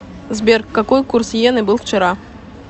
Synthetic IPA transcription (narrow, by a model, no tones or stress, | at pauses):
zbʲerkːɐkojkursjenɨbɨlˠft͡ɕɪɾa